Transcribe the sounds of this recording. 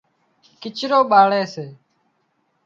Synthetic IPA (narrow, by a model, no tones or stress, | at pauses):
kɪt͡ʃɾoːɓaːɭeːseː